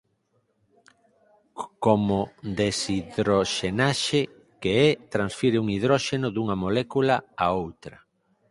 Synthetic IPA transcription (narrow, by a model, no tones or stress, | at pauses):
komod̪esiðɾoʃenaʃeɪ | keɛt̪ɾãnsfiɾɪuŋiðɾɔʃenʊðuŋɐmolɛkulaaowt̪ɾɐ